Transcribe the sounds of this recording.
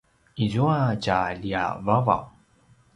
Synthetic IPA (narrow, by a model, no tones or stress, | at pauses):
izuat͡ʃalia̰vava̰w